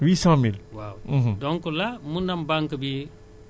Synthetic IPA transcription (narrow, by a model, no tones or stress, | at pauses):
wiːsãmilwa̰w̩ɦdɔŋkulamunɐmbaŋkɐbije